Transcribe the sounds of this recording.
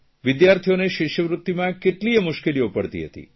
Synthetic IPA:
ʋɪd̪jaɾt̪ʰijoneʃɪʃjəʋɾut̪ːimãkeʈliəmʊʃkeliopəɽt̪ḭɦət̪ḭ

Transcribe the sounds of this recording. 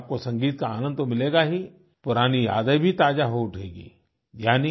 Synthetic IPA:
p̚kosɐ̃ŋɡiːt̪̚kaaːnə̃nd̪omɪleːɡaɦi | pʊɾaːnija̰ːd̪əbʱit̪aːd͡ʒaɦoʊʈʰeːɡḭː | jaːni

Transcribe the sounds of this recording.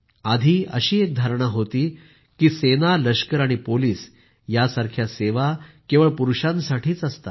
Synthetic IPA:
ad̪ʱiːə̰ɕiːek̚d̪ʱaɾɳaɦot̪iː | kiːsenaləɕkəɾaɽ̃ipoliːs | jasaɾkʰjaseʋakeʋəɭpuɾuɕãnsaʈʰiːt͡səst̪a

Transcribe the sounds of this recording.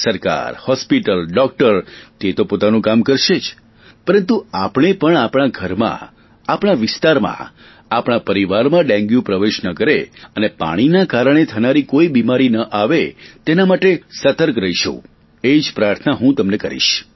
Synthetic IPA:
səɾka̰ɾhɔspiʈəlɖɔk̚ʈəɾt̪et̪opot̪anũkamkəɾʃed͡ʒ | pəɾənt̪uapɽ̃epəɳapɽ̃aɡʱəɾmã̰ | apɽ̃aʋɪst̪aɾmã̰ | apɽ̃apəɾiʋaɾmãɖɛ̃ŋɡjũpɾəʋeʃnəkəɾeənepa̰ɽ̃inakaɾəɽ̃et̪ʰənaɾikoibimaɾinəʔaʋet̪enamaʈesət̪əɾkɾəiʃṵ̃ | ed͡ʒpɾaɾt̪ʰnaɦũt̪əmnekəɾḭʃ

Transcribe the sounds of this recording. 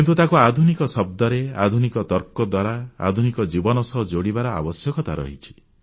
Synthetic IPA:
kint̪ut̪akuad̪ʱunikɔsɔb̚d̪ɔɾea̰d̪ʱunikɔt̪ɔɾkɔd̪waɾaa̰d̪ʱunikɔd͡ʒibɔnɔsɔɦɔd͡ʒoɽibaɾɔa̰bɔsjɔkɔt̪aɾɔ̰ɦit͡ʃʰi̥

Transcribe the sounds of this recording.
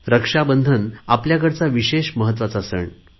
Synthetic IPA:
ɾəkʂabənd̪ʱənapljakəɽt͡saʋiɕeɕməɦət̪̬ːʋat͡saəsə̰ɳ

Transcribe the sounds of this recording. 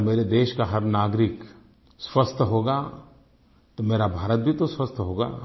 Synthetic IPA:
meːɾed̪eːʃkaɦɐɾnaːɡɾɪk | swɐst̪ʰɦoːɡa | t̪omeːɾabʱaːɾət̪̚bʱit̪oswɐst̪ʰɦoːɡa̰ː

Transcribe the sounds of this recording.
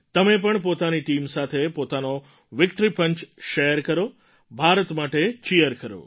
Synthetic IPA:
t̪əmep̬əɳpot̪aniʈimsat̪ʰepot̪ano | ʋɪkʈɾipəɲt͡ʃʃejəɾkəɾo | bʱaɾət̪maʈet͡ʃijəɾkəɾo̰

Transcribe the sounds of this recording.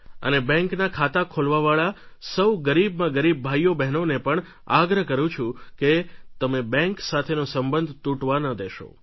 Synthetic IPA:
ə̰nebɛ̃ŋknakʰat̪akʰolʋaʋaɭasəwɡəɾib̚mãɡəɾib̚ːʱajobɛɦnonepəɳ | aɡɾəɦkəɾũt͡ʃʰũket̪əmebɛ̃ŋksat̪ʰenosəmbənd̪ʱt̪uʈʋanəd̪eʃo̰

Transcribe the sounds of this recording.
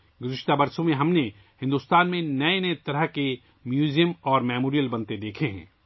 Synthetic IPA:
ɡʊzɪʃt̪abɐɾsõmẽɦɐmne | hɪ̃nd̪uːst̪aːnmẽnɐenɐet̪ɐɾəɦke | mjuːzijəmɔːɾmɛːmoːɾijəlbɐ̃nt̪ed̪eːkʰeɦɛ̰̃ː

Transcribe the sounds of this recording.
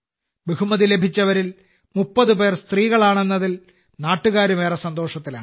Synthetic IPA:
beɣumɐðilebʱit͡ɕːɐʋɐɾil | mupːɐðupe̞ːrst̪riːɣɐɭaːɳenːɐðil | naːʈːuɣaːɾume̞ːresɐnd̪o̞ːʂɐt̪ːilaːɳɨ

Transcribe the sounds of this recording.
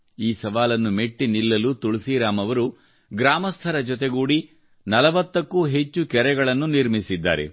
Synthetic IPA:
iːsɐʋaːlɐnːume̞ʈːinilːɐlut̪uɭisiɾaːmɐʋɐɾu | ɡɾaːmɐst̪ʰɐɾɐd͡ʒɔt̪̬eɡuːɽi | nɐlɐʋɐt̪ːɐkːuːɦe̞t͡ʃːukɛɾɛɡɐɭɐnːuniɾmisid̪ːa̰ːɾḛ

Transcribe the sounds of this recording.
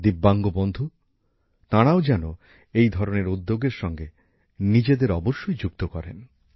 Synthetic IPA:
d̪ibːaŋɡobond̪ʱu | t̪aɽ̃aod͡ʑɛno | ejd̪ʱɔɾoneɾud̪ːoɡeɾʃɔŋɡe | nid͡ʑed̪eɾɔboʃːojd͡ʑuk̚t̪okɔɾḛn

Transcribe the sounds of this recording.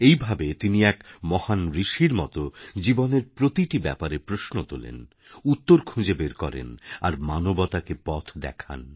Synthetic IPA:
ejbʱabet̪iniɛkmɔhanɾiʃiɾmɔ̰t̪od͡ʑiboneɾpɾot̪iʈibɛpaɾepɾoʃnot̪olḛn | ut̪ːoɾkʰũd͡ʑebeɾkɔɾḛnaɾmanobɔt̪akepɔt̪ʰd̪ɛ̰kʰa̰n

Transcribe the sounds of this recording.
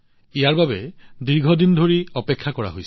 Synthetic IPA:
ijaɹbabɛdiɹɡʱɔdindʱoɹiɔpɛkʰːakɔɹa̰ɦojs

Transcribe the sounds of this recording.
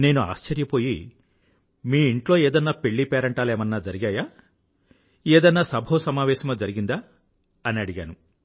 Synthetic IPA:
ne̞ːnua̰ːst͡ʃɐɾjɐpo̞ːji | miːiɳʈlo̞ːeːd̪ɐnːaːpe̞ɭːipɛːɾɐɳʈaːlɛːmɐnːaːd͡ʒɐɾiɡaːjaː | ɛːd̪ɐnːaːsɐbʱɐsɐmaːʋɛːʃɐmɐːd͡ʒɐɾiɡind̪aː | ɐniɐɽiɡaːnu

